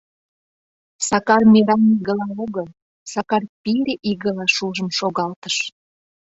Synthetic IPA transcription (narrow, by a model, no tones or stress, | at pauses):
sɑkɑrmeɾɑniɣə̆lɑoɣəl | sɑkɑrpiɾʲeʔiɣəlɑʃuʒəmʃoɣɑlt̪əʃ